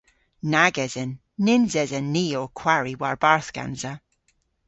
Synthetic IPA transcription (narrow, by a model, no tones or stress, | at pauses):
naɡɛz̥ɛnː | ɪnzɛzɛnːiːokʰw̥aɹiwaɹbaɹθɡ̥a̰nzə